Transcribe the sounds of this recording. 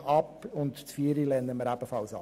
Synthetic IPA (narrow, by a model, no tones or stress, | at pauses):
ɑpʊntt͡sfiəɾilɛnːəməɾæb̥əfɑlsɑ